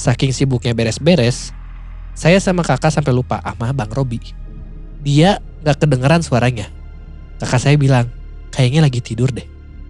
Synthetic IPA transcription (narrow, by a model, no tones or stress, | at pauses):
sakɪŋsibʊk̚ɲabɛɾɛsbɛɾɛsː | ajasamakakasampɛlupa̰ʔahmabaŋrobi | dia | ŋɡakədəŋəɾansuaɾaɲa | kakasajabilaŋ | kajaɲalaɡit̪idʊrdɛh